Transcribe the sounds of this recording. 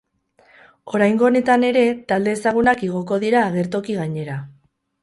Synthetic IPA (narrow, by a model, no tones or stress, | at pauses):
o̞ɾajŋɡo̞ːne̞t̪ane̞ɾe̞t̪ald̪e̞ːsaɣ̞unakeɣ̞o̞ko̞ðiɾaːɣ̞e̞ɾt̪o̞kiɣaɲe̞ɾa